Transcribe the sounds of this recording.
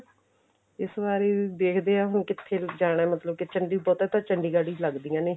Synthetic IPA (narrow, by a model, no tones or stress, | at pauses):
ɪsbaːɾeːd̪eːkʰd̪eːaːɦʊnkɪt̪ʰːeːd͡ʒaːɽaːmət̪ləb̚kɪt͡ʃəɳɖiːbɔːt̪ɛːt̪aːt͡ʃəɳɖiːɡaːɽiːləɡd̪iːãːneː